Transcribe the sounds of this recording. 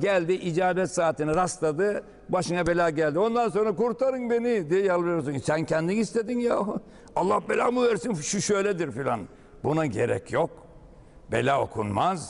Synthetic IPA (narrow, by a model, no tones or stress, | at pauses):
ɟælʲd̪iʔid͡ʒaːbɛt̪saːt̪inɛɾast̪ad̪ɯ | baʃɯnabe̞lʲaːɟælʲd̪io̞nd̪anso̞nɾakuɾt̪ʰaɾɯnbe̞nid̪ijɛjalˠβejosunsæncʰɛnd̪inist̪ed̪inja | alˠːahbelʲaːmuvæɾsinʃuʃøjlʲɛd̪iɾfilʲa̰n | bunaɟḛɾɛ̰cʰjok | be̞̰lʲaːo̰kʰṵnmaz